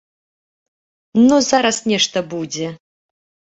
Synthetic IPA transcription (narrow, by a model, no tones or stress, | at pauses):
nuzaɾɐsnʲɛʂt̪ɐbud͡zʲɛ